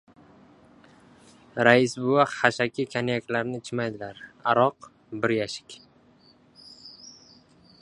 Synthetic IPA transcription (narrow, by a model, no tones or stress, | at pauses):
ɾaɪsbʊaqhaʃakʲʰɪkʲʰanjakʲlaɾnɪt͡ʃʰɪmajd̪ɪlaɾa̰ɾɒq | bɪɾjaʃɪ̥kʲ